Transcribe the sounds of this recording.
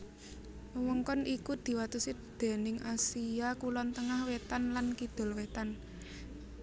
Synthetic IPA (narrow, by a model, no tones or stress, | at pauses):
əwɔŋkɔnʔikud̪̥i̤wat̪usid̪̥e̤nɪŋʔasiakulɔnt̪əŋahwet̪anlankid̪̥ɔ̤lwet̪an